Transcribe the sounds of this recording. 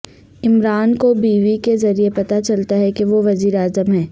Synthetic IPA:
ɪmɾaːnkobiːʋikezɐɾiepɐt̪at͡ʃɐlt̪aɦɛkeʋoʋɐziːɾaːzəmɦɛ̃ː

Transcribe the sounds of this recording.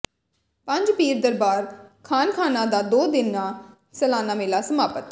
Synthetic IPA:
pə̃ɲd͡ʒpiːɾd̪əɾbaːɾkʰaːnkʰaːnãːd̪aːd̪oːd̪ɪnːaː | səlaːnaːmɪːlaːsəmaːpət̪

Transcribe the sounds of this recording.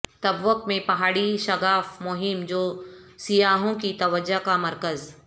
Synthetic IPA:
t̪ɐbʋəkmẽpɐɦaːɽiʃɐɡaːfmʊɦɪmd͡ʒoːsijaːɦõkit̪ɐʋəd͡ʒakamɐɾkəz

